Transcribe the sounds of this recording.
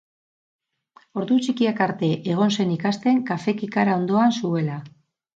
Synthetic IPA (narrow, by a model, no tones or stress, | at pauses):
o̞ɾðut͡ʃikiakaɾt̪e̞ʔeɣ̞o̞nse̞nikast̪e̞ŋkafe̞kikaɾao̞nd̪o̞ansue̞la